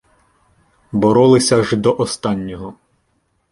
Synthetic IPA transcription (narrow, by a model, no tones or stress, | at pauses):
bɔɾɔlˠɪsʲɐʒd̪ɔʔɔst̪ɑnʲːɔɦɔ